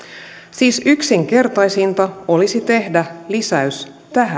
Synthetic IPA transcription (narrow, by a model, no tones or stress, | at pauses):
siːsyksiŋke̞rt̪ɑjsint̪ɑo̞lisit̪e̞hdælisæys | t̪æɦæ